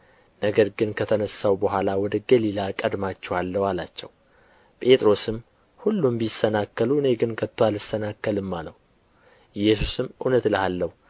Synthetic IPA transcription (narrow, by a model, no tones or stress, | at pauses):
nəɡəɾɡɨnkʰət̪ʰənəsːawbəɦʷalawɔd̪əɡəlilakʼəd̪mat͡ʃːɛwalːəwalat͡ʃːɛw | pʼe̞t̪ʼɾo̞sɨm | hulːumbisːənakːəluɨneɡɨnkʰət̪ːwalɨsənakːəlɨmːaləw | ɪjːɛsusɨmʔɨnət̪ləhalːəhu